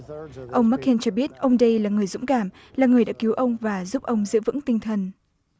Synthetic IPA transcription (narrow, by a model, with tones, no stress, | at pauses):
ʔə˧wŋ͡mma˦˥k̚ʰːe˧nt͡ɕɔ˧ɓi˦˥ət̚ʔə˧wŋ͡mɗə˧jlaː˨˩ŋɨ˨˩əjzʊ̰˧˥ŋ͡mkaː˧˩m | laː˨˩ŋɨ˨˩əjɗa̰ː˧˥ki˨˦wʔə˧wŋ͡mvaː˨˩zu˦˥p̚ʔə˧wŋ͡mzɨ̰˧˥əvɨ̰˧˥ŋt̪ï˧ŋ̟t̪ʰə˨˩n